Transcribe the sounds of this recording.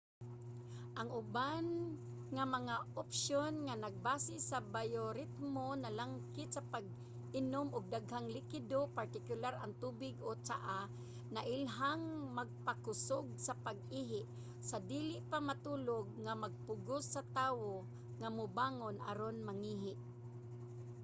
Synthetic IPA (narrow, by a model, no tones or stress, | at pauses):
ʔaŋʊban | ŋamaŋaʔopʃjonŋanaɡ̚baːsɪsabajoɾɪt̪̚monalaŋkɪt̪sapaɡ̚ | ʔɪnʊmʔʊɡ̚d̪aɡhaŋlɪkɪd̪opaɾt̪ɪkʊlaɾaŋt̪uːbɪɡot͡ʃaʔa | naʔɪlɦaŋmaɡ̚pakʊsʊɡ̚sapaɡ̚iɦɪʔ | sad̪iːlɪʔpamat̪uːloɡ̚ŋamaɡ̚pʊɡʊsːat̪aːwo | ŋamʊbaːŋonʔa̰ɾonmaŋiɦɪʔ